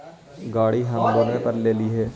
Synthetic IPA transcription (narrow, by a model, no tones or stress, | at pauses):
ɡaːɽiɦãːmd̪omẽpəɾleːliɦɛː